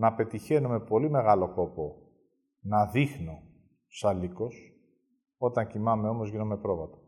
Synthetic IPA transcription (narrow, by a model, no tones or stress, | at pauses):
nɐpe̞t̪içe̞nume̞po̞lime̞ɣɐlo̞ko̞po̞ | nɐðixno̞ | sɐliko̞s | o̞t̪ɐɲcimɐme̞o̞mo̞zʝinome̞pɾo̞vɐt̪ɐ̥